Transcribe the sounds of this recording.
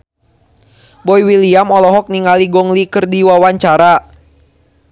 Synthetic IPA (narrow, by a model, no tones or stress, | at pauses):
bɔiwiliamɔlɔɦɔk̚niŋaliɡɔŋlikɨrdiwawaɲt͡ʃaɾa